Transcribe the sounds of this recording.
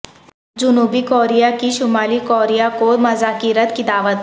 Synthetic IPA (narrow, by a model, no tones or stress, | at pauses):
d͡ʒʊnuːbikoːɾijakiʃʊmaːlikoːɾijakomɐzaːkiːɾət̪kid̪aːʋət̪